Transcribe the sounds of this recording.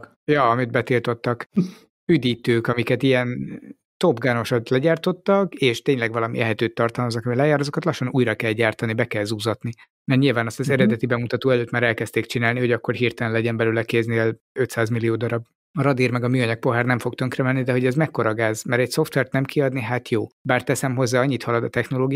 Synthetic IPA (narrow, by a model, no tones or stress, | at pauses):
jɒɒmid̪̚bɛt̪ilt̪o̞t̪ːɒk | yd̪iːt̪øːkɒmikɛt̪ijɛn | t̪o̞bɡaːno̞ʃot̪lɛɟaːrt̪o̞t̪ːɒkeːʃt̪eːɲlɛɡvɒlɒmḭlʔɛɦɛt̪øːt̪ːɒrt̪ɒlmɒzɒkɒmilɛjaːɾɒzokɒt̪lɒʃːonuːjɾɒkɛlɟaːrt̪ɒnibɛkɛlzuːzɒt̪ni | mɛrɲilvaːnɒst̪ɒzɛɾɛd̪ɛt̪ibɛmut̪ɒt̪oːɛløːt̪maːɾɛlkɛst̪eːk̚t͡ʃinaːlniho̞ɟɒkːo̞rɦiːrt̪ɛlɛnlɛɟɛmbɛlyːlɛkeːzniɛl | ø̞t̪saːzmilijoːd̪ɒɾɒb | ɒɾɒd̪iːrmɛɡɒmyːɒɲɒk̚po̞ɦaːrnɛɱfo̞kt̪ø̞ŋkrɛmɛnːid̪ɛɦo̞ɟɛzmɛkːo̞ɾɒɡaːzmɛɾɛcso̞ft̪ʋɛrt̪nɛmkiɒd̪niɦat̪joːbaːrt̪ɛsɛmɦo̞zːaːɒɲːit̪hɒlɒd̪ɒt̪ɛxno̞loːɡi